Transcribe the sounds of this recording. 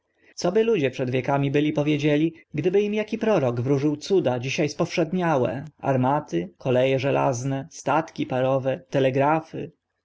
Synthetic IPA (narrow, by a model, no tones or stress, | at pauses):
t̪sɔbɘlud͡ʑɛpʂɛd̪vʲjɛkamʲibɘlʲipɔvʲjed͡ʑelʲiɡd̪ɘbɘimjakʲipɾɔɾɔɡvɾuʐɘwt̪sud̪ad͡ʑiɕajspɔfʂɛd̪ɲawɛ̰a̰ɾmat̪ɘkʰɔlɛjɛʐɛla̰znɛst̪at̪kʲipaɾɔvɛt̪ɛlɛɡɾafɘ̰